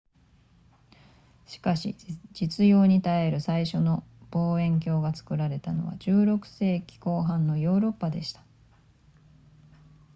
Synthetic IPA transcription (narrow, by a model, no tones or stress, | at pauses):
ɕi̥kaɕḭd͡ʑit͡sɨjo̞ːɲ̟it̪ae̞ɾɯ̟saiɕo̞no̞b̥o̞ːẽ̞ŋk̬ʲo̞ːɡat͡sɨ̥kɯ̟ɾaɾe̞t̪ano̞̰βa̰d͡ʑɨːɾo̞kɯ̟̥se̞ːkʲi̥ko̞ːɦãnːo̞jo̞ːɾo̞pːad̪e̞ɕi̥t̪ḁ